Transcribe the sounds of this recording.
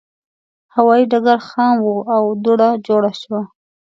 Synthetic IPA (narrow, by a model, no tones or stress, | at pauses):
hawɑjiɖaɡaɾxɑmwuawd̪uɽad͡ʒoɽaʃwa